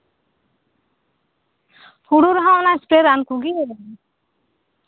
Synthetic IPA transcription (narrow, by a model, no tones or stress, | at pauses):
huɽuɾɦãɔnaɛspɾeɾankuɡiɛlan